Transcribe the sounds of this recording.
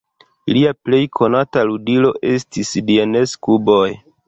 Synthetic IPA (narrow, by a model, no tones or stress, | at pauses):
liaple̞jkʰo̞nataludilo̞ʔe̞stisdiene̞skubo̞j